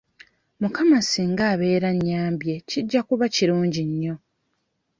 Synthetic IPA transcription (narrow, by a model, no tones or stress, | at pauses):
mukamasiŋɡaːβe̞ːɾaɲːaːmbje̞ciɟːakuβaciɾuːɲɟiɲːo̞